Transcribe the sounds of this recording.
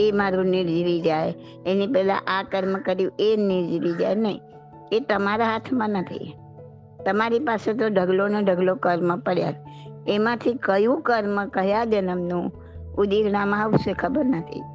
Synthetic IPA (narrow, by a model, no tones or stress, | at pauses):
emaɾũnɪɾd͡ʒɾid͡ʒaj | enipɛɦlã̰ʔakəɾməkəɾjũʔenɪɾd͡ʒɾid͡ʒajnəɦḭ̃ | et̪əmaɾaɦat̪ʰmãnət̪ʰḭ | t̪əmaɾipaset̪̬oɖʱəɡloneɖʱəɡlokəɾməpəɽja̰d͡ʒ | emãt̪ʰikəjũkəɾməkəɦjad͡ʒənəmnũ | ʊd̪iɾnamãəʋʃekʰəbəɾnət̪ʰḭ